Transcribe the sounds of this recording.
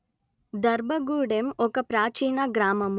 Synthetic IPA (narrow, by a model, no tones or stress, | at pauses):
d̪ɐɾbɐɡuːɖemɔkɐpɾaːt͡ʃiːɳɐɡɾaːmɐm